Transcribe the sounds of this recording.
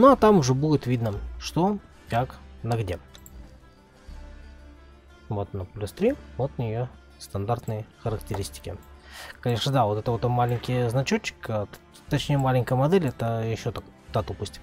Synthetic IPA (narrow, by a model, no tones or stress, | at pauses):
noɐt̪amʊʐɛbudʲɪt̪vʲid̪nəʂt̪o | kaknɐɡdʲe | vot̪nəpʊlʲɪst̪ɾʲivot̪nʲɪjo | st̪ɐnd̪art̪nəjəxəɾəktʲɪɾʲisʲtʲɪ̥kʲɪ̰kɐnʲeʂnəd̪avo̞t̪ɛt̪əvot̪mːalʲɪnʲkʲɪjznɐt͡ɕot͡ɕːɪ̥k̪ː | t̪ɐt͡ɕnʲejəmalʲɪŋʲkəjəmɐd̪ɛlʲɛt̪əjɪɕːot̪akt̪at̪upəsʲtʲɪ